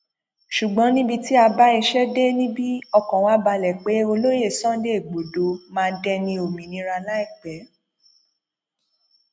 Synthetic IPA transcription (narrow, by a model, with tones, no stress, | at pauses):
ʃu˨ɡ͡bɔ̃˨˦nĩ˦bi˧ti˦a˧ba˦i˧ʃɛ˦de˦nĩ˦bi˦ɔ˧kɔ̃˨w̃ã˨˦ba˧lɛ˨k͡pe˨˦o˧lo˦je˦˨sɔ̃˦de˦i˨ɡ͡bo˨do˨˦mãː˦˧˦dɛ˧nĩ˧o˨mĩ˨nĩ˨˦ɾa˧la˦i˦˨k͡pɛ˨˦